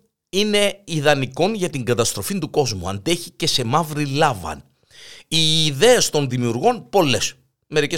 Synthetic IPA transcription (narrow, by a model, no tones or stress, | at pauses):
ine̞iðɐniko̞nʝɐt̪iŋɡɐt̪ɐst̪ɾo̞find̪uko̞zmuɐ̰nd̪e̞çice̞se̞mɐvɾilɐvɐ̰n | iːðe̞est̪o̞nðimiuɾɣo̞npo̞le̞s | me̞ɾice